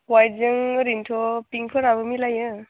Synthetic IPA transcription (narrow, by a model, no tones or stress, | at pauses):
wajzɯŋɾintʰɔpiŋpʰɯɾabɯmilajɯ